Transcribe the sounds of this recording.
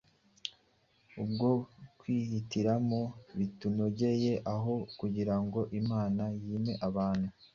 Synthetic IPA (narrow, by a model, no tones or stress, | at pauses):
ubɡo̞kwiːhitiɾamoβituno̞ɟe̞je̞ʔaɦo̞kuɟiɾaŋɡo̞ʔimaːnajiːme̞ʔaβaːn̥hu